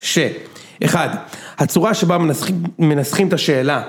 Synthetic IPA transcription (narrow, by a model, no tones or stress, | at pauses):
ʃe | ʔeχad̪hat͡suʁaʃe̞bamenasχimt̪aʃe̞ːla